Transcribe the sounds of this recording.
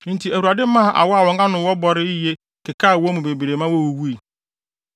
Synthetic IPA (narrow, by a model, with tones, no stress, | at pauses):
n̩˦tʰi˨æ˨wu˨ɾa˨dɪ˦mã˦˨ʔa̰˨wɔ˦a˦˨wɔ̃˨ŋ˦ã˦nʊ̃˨˦wɔ˦bɔ˨ɾɪ˦i˦je˦ | kɪ˨kʰaː˦˨wɔ˦mʊ̃˨be˨bi˨ɾe˨mã˦wɔ˦wu˦wu˦i˨